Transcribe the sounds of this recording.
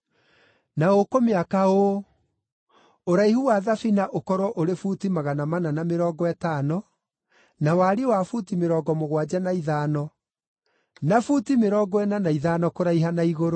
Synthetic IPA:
naokomeakao | oɾaihuwaðafinaʔokɔɾwɔʔoɾefutimaɣanamananameɾɔːɡɔɛtaːnɔ | nawaɾewafutimeɾɔːɡɔmoɣwad͡ʒanaiðaːnɔ | nafutimeɾɔːɡɔɛnanaiðanɔkoɾaiɦanaiɣoɾo

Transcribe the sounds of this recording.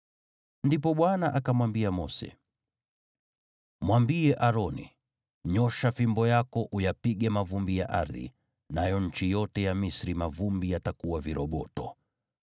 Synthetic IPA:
ndip̬ɔɓwanaʔakamwambiamɔsɛ̰ | mwambiɛʔaɾɔnḭ | ɲɔʃafimbɔjakɔʔujapiɠɛmavumbija̰ʔaɾðḭ | najɔɲ̩t͡ʃijɔtɛjamisɾimavumbijatakuwaviɾɔɓɔtɔ

